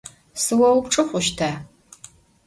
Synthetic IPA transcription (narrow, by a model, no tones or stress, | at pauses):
sɨwɐwʊpʈ͡ʂʼɨχʷʊʃtʰa